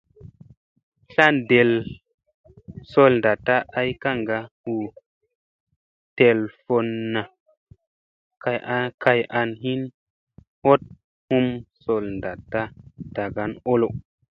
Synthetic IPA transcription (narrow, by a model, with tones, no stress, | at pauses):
ɬa˦nde˨l | so˦lnda˨tːa˦ʔa˦jka˦ŋɡa˦hu˨ | te˨lfo˨nːa˨ | ka˨˦kʰa˧jʔa˧nɦi˦n | ho˦t̚ | hu˦mso˨lnda˨tːa˦d̥a˨ɡa˦no˦lo˨